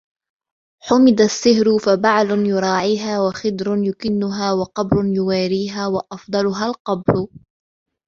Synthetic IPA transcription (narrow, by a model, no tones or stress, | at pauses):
ħʊmɪd̪asːɪhɾʊfabaʕlʊnjʊɾˤɑːʕiːɦaːwaxɪd̪ɾʊnjʊkɪnːʊɦaːwɑqɑbɾʊnjʊwaːɾiːɦaːwaʔɑfd̪ˤɑlʊɦalqɑbɾʊ